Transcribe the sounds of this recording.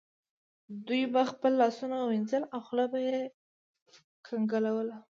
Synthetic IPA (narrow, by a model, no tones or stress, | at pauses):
d̪ujbaxpəlːɑsunawɪnzəlawxlɑbaje | kʰaŋɡalawəla